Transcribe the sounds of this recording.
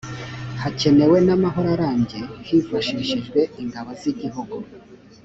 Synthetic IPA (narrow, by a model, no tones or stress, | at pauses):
hace̞ne̞we̞namaɦo̞ɾaɾaːɲɟe̞hifaʃiːʃiʒɡwe̞iŋɡaβoziɟiɦuɡu